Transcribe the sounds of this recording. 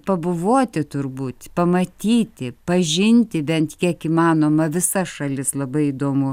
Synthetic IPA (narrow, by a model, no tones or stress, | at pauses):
pɐbʊʋoːt̪ʲɪt̪ʊrbuːt̪ʲpɐmɐt̪ʲiːt̪ʲɪpɐʒʲɪnʲt̪ʲɪbʲɛnt̪kʲiɛkiːmɑːnoːmɐʋʲɪsɐʃɐlʲɪslˠɐbɐɪid̪oːmʊ